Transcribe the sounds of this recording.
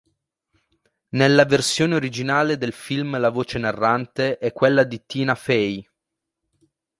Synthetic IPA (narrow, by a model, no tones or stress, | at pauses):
nelːaversjoːneoɾid͡ʒinaːled̪elfilmlavoːt͡ʃenarːant̪eʔɛkːwelːad̪it̪iːnafɛj